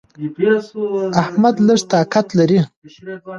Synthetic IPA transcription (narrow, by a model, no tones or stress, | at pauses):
ahmad̪ləʂt̪ɑkat̪laɾi